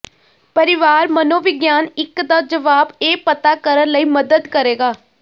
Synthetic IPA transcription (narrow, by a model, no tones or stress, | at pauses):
pəɾɪʋaːɾmənõːʋɪɡjaːnɪkd̪aːd͡ʒəʋaːbeːpət̪aːkəɾənləiːməd̪əd̪kəɾeːɡaː